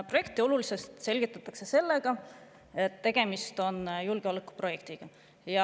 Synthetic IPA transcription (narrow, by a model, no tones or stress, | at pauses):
pro̞je̞k̚t̪io̞lulise̞st̪se̞lʲɡ̥it̪ːˑɑt̪ːˑɑkse̞se̞lːe̞ɡ̥ɑ | e̞t̪ːe̞ɡ̥e̞mist̪o̞njulɡ̥eoːlekːˑu̥pro̞je̞kt̪iɡ̥ɑ | jɑ